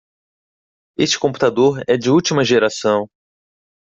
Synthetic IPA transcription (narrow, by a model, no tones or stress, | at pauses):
est͡ʃɪ̥kõmpu̥t̪ad̪oɾɛd͡ʒɪut͡ʃimɐʒeɾasɐ̃w̃